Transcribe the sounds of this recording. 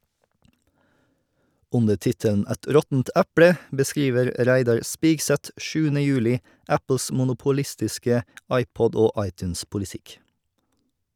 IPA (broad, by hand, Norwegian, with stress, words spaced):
ˈʉndə ˈtɪtəln̩ ˈɛt ˈɾɔtn̩t ˈæpɽə bəˈskɾiːʋəɾ ˈɾæɪdɑɹ ˈspiːɡsɛt ˈʃʉːənə ˈjʉːlɪ ˈæpl̩s mʊnʊpʊˈlɪstɪskə ˈɑɪpɔd ˈoː ˈɑɪtʉnspʊlɪˌtɪk